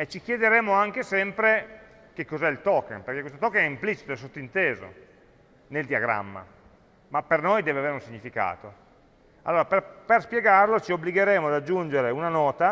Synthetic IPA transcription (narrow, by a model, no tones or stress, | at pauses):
et͡ʃik̟jed̪eɾeːmoaŋk̟esɛmpɾe | k̟ekːozɛilt̪ɔːkːenperkekwest̪ot̪ɔːkːenɛimplit͡ʃi̥t̪oɛsːot̪ːoint̪eːzo̰ | neld̪iaɡɾa̰mːa̰ | mapːernojd̪ɛːveaveːɾeunsiɲːifika̰ːt̪o | a̰lːoːɾapeperspjeɡarlot͡ʃiobːliɡeɾeːmoad̪ad͡ʒːund͡ʒeɾeunanɔːt̪a